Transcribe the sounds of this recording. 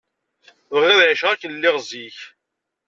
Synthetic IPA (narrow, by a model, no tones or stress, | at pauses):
ðəʁɪðnəʃʁækːənlːɪʁziç